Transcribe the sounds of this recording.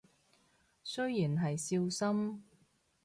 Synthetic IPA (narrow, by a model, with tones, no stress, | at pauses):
sɵ˥ɥjiː˨˩nɦɐ˨jsiː˧wsɐ˥m